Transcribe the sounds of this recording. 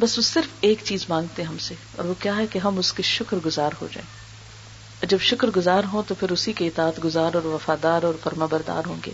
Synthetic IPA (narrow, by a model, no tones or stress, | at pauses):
bɐsʋosɪɾfeːkt͡ʃiːzmãːŋɡ̚t̪eɦɛɦɐmse | ɔ̰ːɾʋokjaːɦɛkeɦɐmʊskeʃʊkɾɡʊzaːɾɦo̰d͡ʒa̰ːẽː | d͡ʒɐbʃʊkɾɡʊzaːɾɦõt̪opʰɪɾʊsikeɪt̪aːt̪ɡʊzaːɾɔːɾʋɐfaːd̪aːɾɔːɾfɐɾmaːbɐɾd̪a̰ːɾɦõːŋɡḛː